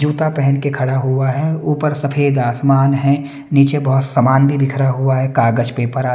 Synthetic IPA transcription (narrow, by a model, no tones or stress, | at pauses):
d͡ʒuːt̪apɛɦɛnkekʰɐɽaɦuaɦɛuːpəɾsɐpʰeːd̪aːsmaːnɦɛ̃ | niːt͡ʃebɔɦʊt̪səmaːnbʱibʱɪkʰəɽaɦuaɦɛkaːɡəd͡ʒpeːpəɾa